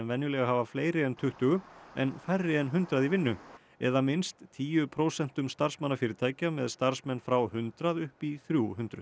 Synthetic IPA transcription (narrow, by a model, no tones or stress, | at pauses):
ɛnvɛnjʏlɛːɣaɦavafleːjɾɪɛnt̪ʰʏht̪ʏɣʏɛ̰nfajrːɪɛnɦʏnt̪ɾaðivɪnːʏ | ɛ̰ðamɪnst̪ːʰiːjʏpʰɾowsɛn̥t̪ʏmst̪ar̥smanːafɪːɾɪt̪ʰaːjcamɛðst̪aɾ̥smɛnːfɾawhʏnt̪ɾaðʏhpiθɾjuhʏnt̪ɾʏ̰